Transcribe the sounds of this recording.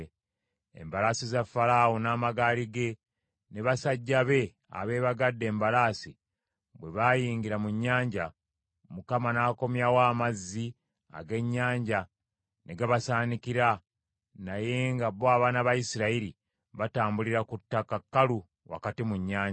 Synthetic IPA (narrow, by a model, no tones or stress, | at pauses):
ḛmbalasizafaɾaːwonaːmaɡaːliɡe̞ | ne̞βasaɟːaβe̞ | a̰βe̞ːβaɡadːe̞ːmbalaːsi | βwe̞βajiːŋɡiɾamuɲːaːɲɟa | mukamanaːko̞mjawaːmazːi | a̰ɡe̞ɲːaːɲɟa | nʔeɡaβasaːnikiɾa | naje̞ŋɡaβoaβaːnaβajisiɾaiɾi | βataːmbuliɾakutːakakːalu | wa̰katimuɲːaːɲa